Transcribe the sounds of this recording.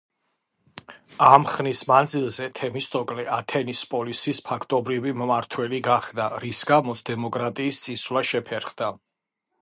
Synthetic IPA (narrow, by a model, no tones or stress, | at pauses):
amχnismand̪zilˠzɛt̪ʰɛmist̪ʰʼɔkʼlɛʔat̪ʰɛnispʼɔlisispʰakʰt̪ʼɔbɾivimmaɾt̪ʰwɛliɡaχd̪aɾisɡamɔt̪sʰd̪ɛmɔkʼɾat̪ʼiːst̪sʼisvwlaʃɛpʰɛɾχd̪a